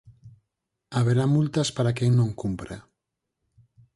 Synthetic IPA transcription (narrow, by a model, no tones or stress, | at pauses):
aβ̞eɾamult̪aspaɾakeŋnõŋkumpɾa̰